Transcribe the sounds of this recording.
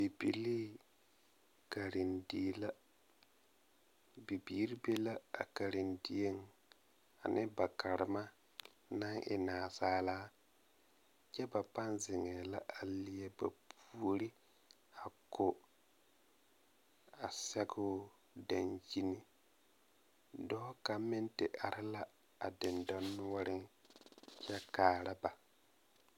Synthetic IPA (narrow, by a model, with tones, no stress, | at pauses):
bi˨bi˨li˦ | ka˨ɾɪ˨ndi˨˦la˦ | bi˨biː˦ɾi˦be˦la˦a̰˨ka˨ɾɪ˨ndɪ˦e˦ŋ | a̰˨nɪ˦ba˨ka˨ɾɪ˨ma˦ | na˦ŋʔɪ̰˨naː˨saː˦laː˦ | t͡ʃɛ˦ba˨pa˦nzɪ˨ŋɛ˨la˦ʔa˨li˦e˦ba˨pʰu˦o˦ɾi˦ | a˨kʰo˨ | a˨sɛ˦ɡʊ˦ | da˨nd͡ʒi˦ni˦ | dɔː˦ka˨mɪ˦ntɪ˨ʔa˨ɾɪ˦la˦ | a˨dɪ˨ndɔ˦nːʊ˦wa˦ɾɪ˦ŋ | t͡ʃɛ˦kaː˨ɾa˦ba˨